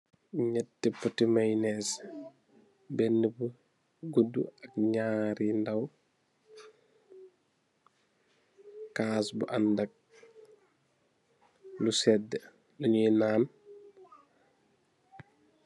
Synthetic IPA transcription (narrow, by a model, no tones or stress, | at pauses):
ɲɛtːipːətimajnɛs | bɛnːəbu | ɡudːuɐk̚ɲaːɾindaw | kːasbuʔandɐk̚ | lusɛdːə | luɲinaːn